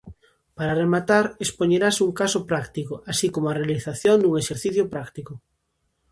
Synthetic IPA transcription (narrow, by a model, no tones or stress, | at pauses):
paɾaremat̪aɾespoɲeɾasuŋkasʊpɾakt̪ikʊasikomoarealiθaθjond̪uŋeʃeɾθiθjopɾakt̪ikʊ